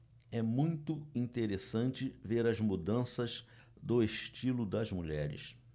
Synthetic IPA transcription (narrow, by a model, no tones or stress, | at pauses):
ɛmũj̃t̪ʊĩnt̪eɾesɐ̃nt͡ʃɪveɾɐzmud̪ɐ̃sɐz | d̪ʊeʃt͡ʃilʊd̪ɐzmuʎɛɾɪ̰s